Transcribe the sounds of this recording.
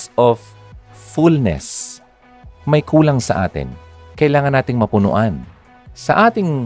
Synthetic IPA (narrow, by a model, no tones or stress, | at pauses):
sʔof | fulnɛ̰s | mɐjkʰuːlɐŋsɐʔa̰ːt̪ɪ̰nkɐʔɪlaːŋɐnːaːt̪ɪŋmɐpʊnʊ̰ʔan | sɐʔaːt̪ɪŋ